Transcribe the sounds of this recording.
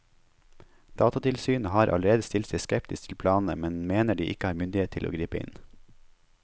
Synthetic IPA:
d̪̥ɑːt̪ɑt̪ʰɪlsyːnəhɑːɾʔɑ̰ləɾeːd̪əst̪ɪlt̪sɛɪskɛp̚t̪ɪst̪ʰɪlpʰlɑːnn̩əmɛnmeːnəɖiːʔɪkəhɑːɾmʏnd̪ɪeːt̪ʰɪlo̰ːɡɾiːpəɪ̰n

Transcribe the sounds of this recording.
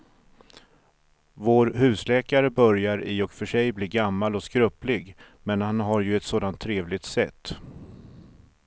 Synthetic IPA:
voːɾɦʉ̟ːslɛːkaɾəbœɾjaɾɪɔkfœʂɛjbliːɡamːalɔskɾɵplɪɡ | mɛnhanɦaɾjɵɛt̪soːd̪ant̪ʰːɾeːvlɪɡt̪sɛt̪ː

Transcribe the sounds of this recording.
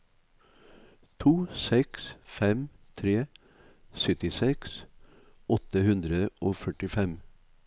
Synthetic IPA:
t̪ʰuːsɛksfɛmt̪ʰɾeː | sœt̪ɪsɛks | ɔt̪əhʉnd̪ɾəʔoːfœʈɪfɛm

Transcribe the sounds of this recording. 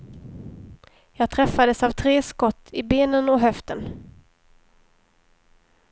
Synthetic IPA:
jɑːɡ̚t̪ʰɾɛfːad̪əsavt̪ʰɾeːskɔt̪ːʰɪbeːnənɔɦœft̪ən

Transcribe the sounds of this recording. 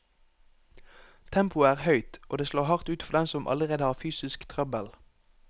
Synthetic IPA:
t̪ʰɛmpʊəæːʁhœʏt̪ʔoːd̪eːsloːʁhɑʁt̪ʉːt̪fɔʁd̪ɛmsɔmʔɑ̰ləʁeːd̪əhɑːʁfyːsɪskt̪ʰʁœbəl

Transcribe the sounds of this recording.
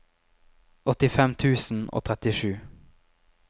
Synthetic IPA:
ɔt̪ɪfɛmt̪ʰʉːsn̩ʔo̰ːt̪ʰʁɛt̪ɪʃʉː

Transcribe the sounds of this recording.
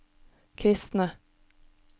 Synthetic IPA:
kʰɾɪst̪nə

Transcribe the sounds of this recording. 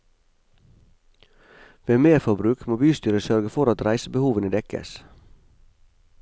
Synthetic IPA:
ʋeːmeːɾfɔbɾʉːkmoːbyːst̪yːɾəsœɾɡəfɔɾɑt̪ɾæɪsəbəhuːʋənəd̪ɛkə̰s

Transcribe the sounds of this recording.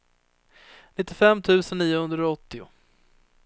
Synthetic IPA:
nɪt̪ːɪfɛmːt̪ʰʉ̟ːsənːiːʊhɵnd̪ɾaɔt̪ːɪʊ̰

